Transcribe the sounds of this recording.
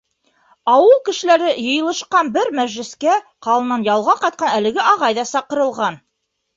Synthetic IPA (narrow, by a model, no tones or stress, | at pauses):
ɑwɤlˠkɘ̆ʃɘ̆læɾɘjɤ̆jɤ̆lˠɤ̆ʃqɑnbɘɾmæʒlɘ̆skæqɑlˠɤ̆nːɑnjɑlˠʁɑqɑjt̪̚qɑnælɘ̆ɡɘʔɑʁɑjðɑsɑqɤ̆ɾɤ̆lˠʁɑn